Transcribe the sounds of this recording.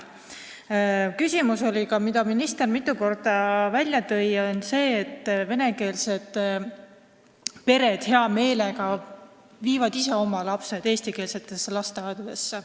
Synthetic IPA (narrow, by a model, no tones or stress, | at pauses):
kysʲimuso̞lʲikɑmid̪̥ɑminist̪e̞rmit̪ˑːuko̞rd̪̥ɑvælʲjɑt̪ɤ̞jonse̞ːt̪ˑːve̞ne̞ke̞ːlse̞d̪̥ | pe̞ɾe̞d̪̥he̞ɑme̞ːle̞ɡɑ | viːvɑd̪ise̞o̞mɑlɑpse̞d̪̥e̞ːst̪ikeːlse̞t̪ːˑe̞sːelɑst̪eɑjd̪ud̪̥e̞sːe